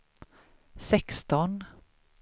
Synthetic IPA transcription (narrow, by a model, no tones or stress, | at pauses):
sɛkst̪ɔn